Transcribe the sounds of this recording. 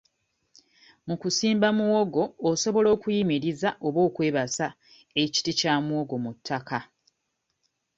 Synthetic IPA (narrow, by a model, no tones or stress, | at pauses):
mukusiːmbamuwoɡo̞ːso̞βo̞lo̞ːkujimiɾizaʔo̞βo̞ːkwe̞ːβasa | e̞ci̥ticaːmuoɡo̞mutʰːakʰa